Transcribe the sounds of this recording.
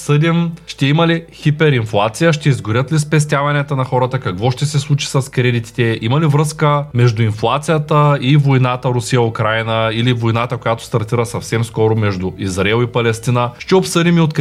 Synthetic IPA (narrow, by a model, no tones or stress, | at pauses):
sɤd̪imʃt̪ɛimɐlixipɛɾinflˠat̪sijəʃt̪ɛizɡʊɾʲjət̪lispɛs̬t̪ʲjavɐnɛt̪ənɐxɔɾət̪əkɐkvɔʃt̪ɛsɛslˠut͡ʃi̥sɐskɾɛd̪it̪i̥t̪ɛimɐlivɾɤskəmɛʒd̪ʊinflˠat̪sijət̪əivojnat̪əɾʊsijəʊkɾajnəilivojnat̪əkojat̪ʊ̥st̪ɐɾt̪iɾəsɐfsɛmskɔɾʊmɛʒd̪ʊizɾaɛlˠipɐlɛst̪inəʃt̪ɛopsɤd̪ʲimiot̪k